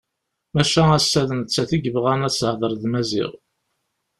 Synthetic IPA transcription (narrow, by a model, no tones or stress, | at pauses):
mæʃææsːæðənt͡sːæθiɡəvʁænæt͡sːhðˤəɾˤðmæzḭʁ